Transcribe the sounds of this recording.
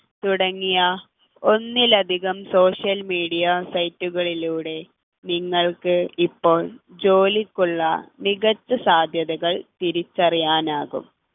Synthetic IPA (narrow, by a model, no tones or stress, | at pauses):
t̪uɽɐŋːijɐ | onːilɐd̪ʱiɣɐmso̞ːʂjɐlmiːɽijɐsɐjtːuɣɐɭiluːɽe̞ | niŋːɐɭkɨipːo̞ːɭd͡ʑo̞ːlikːuɭːɐ̰niɣɐt͡ɕːɐsaːd̪ʱjɐðɐɣɐɭt̪iɾit͡ɕːɐrijaːnaːɣṵm